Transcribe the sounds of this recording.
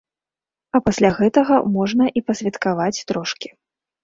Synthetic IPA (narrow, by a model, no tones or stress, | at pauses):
ɐpasʲlʲaɣɛt̪ɐɣɐmɔʐnɐʔipɐsʲvʲɛt̪kavat͡sʲt̪ɾɔʂkʲi̥